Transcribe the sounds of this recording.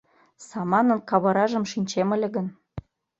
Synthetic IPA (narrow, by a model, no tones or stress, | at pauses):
sɑmɑnɤ̆nkɑβɤɾɑʒə̆mʃinʲt͡ɕemə̆lʲĕɣə̆n